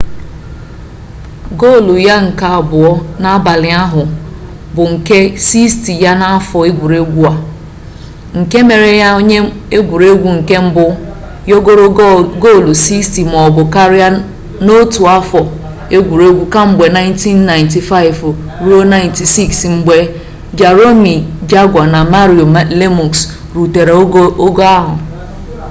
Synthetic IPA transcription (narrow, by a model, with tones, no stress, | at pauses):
ɡo˦˨lu˨ja˦ŋ̩˨ka˨a˨bʊ˨ɔ˦na˦a˦ba˨lɪ˨a˦ɦʊ˨ | bʊ˨ŋ̩˨ke˦si˦sti˨ja˦na˦a˦fɔ˨e˦ɡʷu˨ɾe˦ɡʷu˦a˨ | ŋ̩˨ke˦me˨ɾe˨ja˦o˦ɲe˦ | e˦ɡʷu˨ɾe˦ɡʷu˦˨ŋ̩˨ke˦m̩˦bʊ˦ | jo˦o˦ɾɡo˦˨lu˨si˦sti˨m˨ɔ˨bʊ˨ka˦ɾɪ˦a˦ | no˦tu˨a˦fɔ˨ | e˦ɡʷu˨ɾe˦ɡʷu˦ka˦ŋ͡m̩˨ɡ͡be˨na˦ɪ̃˦nti˦nːa˨ɪ̃˨nt̬i˨fa˦ɪ˨v | ɾu˦o˦na˦ɪ˨nti˨si˦˨ksŋ͡m̩˨ɡ͡be˨ | d͡ʒa˨ɾo˦mi˨d͡ʒa˦ɡʷa˨na˨ma˦ɾi˨o˨˦le˦mu˨ks | ɾu˨te˨ɾe˨˦o˦ɡo˦a˦ɦʊ̰˨